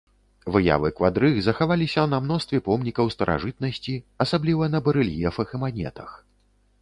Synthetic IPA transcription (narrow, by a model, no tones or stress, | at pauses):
vɨja̰vɨkvad̪ɾɨɣzɐxavalʲisʲɐnɐmnɔst̪vʲɛpɔmnʲikɐwst̪ɐɾʔa̰ʐɨt̪̚nɐsʲt͡sʲiɐsablʲivɐnɐbɐɾɨlʲjɛfɐxɨmanʲɛ̰t̪ɐx